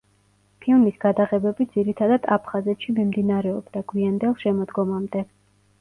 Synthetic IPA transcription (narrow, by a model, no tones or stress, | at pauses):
pʰilˠmisɡ̥ad̪aʁɛbɛbid̪ziɾit̪ʰad̪ad̪apʰχazɛt̪ʃimimd̪inaɾɛɔbd̪aɡwiand̪ɛlˠʃɛmɔd̪ɡɔmamd̪ɛ